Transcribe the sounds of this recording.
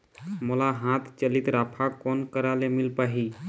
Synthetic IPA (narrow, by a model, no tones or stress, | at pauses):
molaɦãt̪ʰt͡ʃəlit̪ɾapʰakɔnkəɾalemilpaɦi